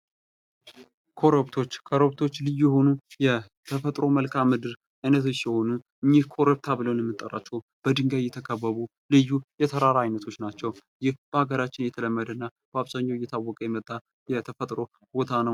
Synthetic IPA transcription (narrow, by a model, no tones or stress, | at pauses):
kʰo̞ɾəβt̪ʰo̞t͡ʃːkʰoɾəβt̪ʰo̞t͡ʃːlɨjːujɛɦo̞nujɛ | t̪ʰəfət̪ʼɾo̞məlkʰamːɨd̪ɨɾ | ajnət̪ʰot͡ʃːjɛho̞nuʔɨɲːihkʰo̞ɾəb̚t̪ʰabɨləwnjɛmːɨt̪ʼːə̰rʔa̰t͡ʃːɛw | b̥əd̪ɨŋɡəjɛt̪ʰəkʼəβːəβu | lɨjːujɛt̪ʰəɾaɾajnət̪ʰo̞t͡ʃːnat͡ʃːɛwjɪhb̥əaɡəɾat͡ʃːɪnjɛt̪ʰələmːəd̪ənːa | b̥əaβzaɲːawɪjːɛt̪ʰawːɔkʼəjɛmət̪ʼːa | jɛt̪ʰəfət̪ʼɾo̞ | hɨbot̪ʰanə